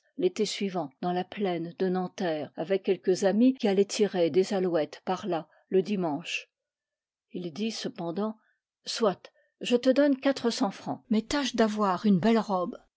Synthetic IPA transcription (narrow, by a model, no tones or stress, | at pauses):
let̪ɛsɥivɑ̃d̪̥ɑ̃laplɛnd̪ənɑ̃t̪ɛːʁavɛkʲːɛlkəzamikʲialɛt̪ʰiʁed̪ezalwɛt̪paʁla | ləd̪imɑ̃ʃ | ild̪isəpɑ̃d̪ɑ̃ | swat̪ | ʒət̪əd̪ɔnkat̪χəsɑ̃fχɑ̰̃mɛt̪aʃd̪avwaʁynbɛlʁɔb